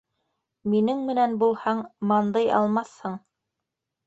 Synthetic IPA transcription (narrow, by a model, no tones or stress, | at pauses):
minɘŋmɘ̆nænbulˠhɑɴmɑnd̪ɤjɑ̰lˠmɑθhɤɴ